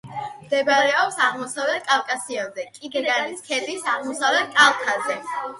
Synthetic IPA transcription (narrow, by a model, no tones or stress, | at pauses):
md̪ɛbaɾɛɔpsaʁmɔsavlɛt̪kʼalˠkʼasiɔzɛkʼiɡɾɡaɾniskʰɛd̪isaʁmɔsavlɛt̪kʼalˠkʰazɛ